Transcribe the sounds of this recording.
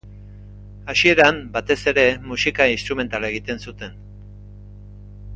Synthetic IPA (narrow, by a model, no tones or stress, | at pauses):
asie̞ɾambat̪e̞se̞ɾe̞musikainst̪ɾume̞nt̪alaeɣ̞it̪e̞nsut̪e̞n